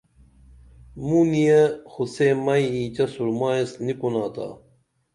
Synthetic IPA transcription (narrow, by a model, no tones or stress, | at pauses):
muːnijexuseːmɐjiːt͡ɕɐsuɾmaːesnipunaːt̪a̰ː